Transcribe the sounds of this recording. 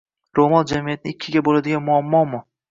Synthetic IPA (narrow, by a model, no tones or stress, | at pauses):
ɾomɒnd͡ʒamijat̪̚ɪnɪɪkʲʰːɪɡʲabolad̪ɪɡʲanmʊamːɒmʊ